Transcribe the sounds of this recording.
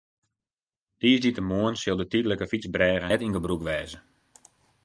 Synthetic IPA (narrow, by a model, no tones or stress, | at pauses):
d̥iəzditəmoənsɪlˠdətydləkəfit͡sbrɛːɣətinŋɡəbrukʋɛːzə